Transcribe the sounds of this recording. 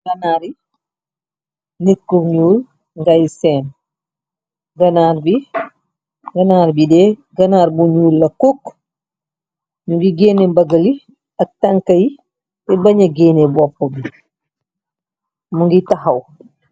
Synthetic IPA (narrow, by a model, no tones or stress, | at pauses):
ɡanaɾi | nit̚koɲuːl | ŋɡajsɛːn | ɡanaɾbi | ɡanaːɾbidɛɡanaːɾbuɲuːlːɐkokː | nubiɡɛnɛbaɡali | ak̚taŋkaji | tɛbaɲaɡɛːnɛbɔpːɔbi | muŋɡitaɦaw